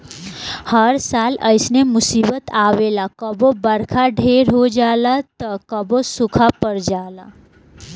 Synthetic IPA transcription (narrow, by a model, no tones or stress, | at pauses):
həɾsaːlə̰ɪsnemʊsiːbət̪aːwelakəbobəɾkʰaɖʱeɾɦod͡ʒaːlat̪əkəbosukʰapəɾd͡ʒaːla